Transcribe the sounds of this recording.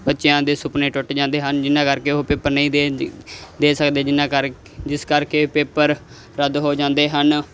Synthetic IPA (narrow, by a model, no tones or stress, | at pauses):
bətːʃjãːd̪eːsʊpnẽːʈʊʈd͡ʒãːnd̪eːɦənd͡ʒɪnãːkəɾkeːopeːpəɾnə̃ĩːe | d̪eːsəkd̪eːd͡ʒɪnãːkə | d͡ʒɪskəɾkeːpeːpəɾ | ɾəd̪ɦoːd͡ʒãːnd̪eːɦən